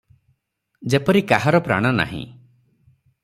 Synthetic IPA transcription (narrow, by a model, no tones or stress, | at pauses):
d͡ʒepɔɾikaɦaɾɔpɾa̰ɽ̃ɔna̰ɦḭ̃